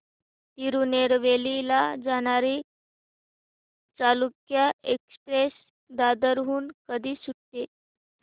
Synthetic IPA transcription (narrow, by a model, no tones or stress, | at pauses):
t̪iɾuneɾʋelilad͡zaɽ̃aɾi | t͡salukjaekspɾes | d̪ad̪əɾɦuːnkəd̪ʱiːsuʈt̪e